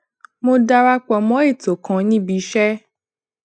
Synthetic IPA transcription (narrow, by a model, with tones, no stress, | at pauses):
mõ˦da˦ɾa˦k͡pɔ˧mɔ̃˨˦e˦˨to˨kã˨˦nĩ˦bi˨˦ʃɛ˦